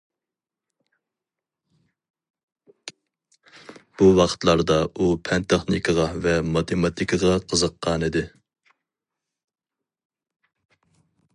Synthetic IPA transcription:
b̥uwɑqʰə̥t̪lˠɑɾd̪ɑupʰɛnt̪ʰɛχnɪkʰəʁɑvɛmɑt̪ʰemɑt̪ʰikʰəʁɑqʰəzəqːɑnid̪ɪ

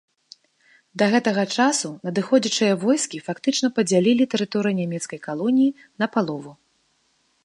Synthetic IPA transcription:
d̪ɐɣɛt̪ɐɣɐt͡ʂasunɐd̪ɨxɔd͡zʲɐt͡ʂɨjɐvɔjskʲifakt̪ɨt͡ʂnɐpɐd͡zʲalʲilʲit̪ɛɾɨt̪ɔɾɨjnʲamʲɛt̪skɐjkalˠɔnʲiji | nɐpalˠɔvu

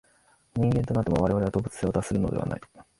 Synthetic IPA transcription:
ɲ̟ĩŋɡẽ̞nt̪o̞nat̪ːemoβaɾe̞aɾe̞ad̪o̞bɯ̟t͡sɨ̥seod̪asɨɾɯ̟no̞d̪e̞a̰na̰i

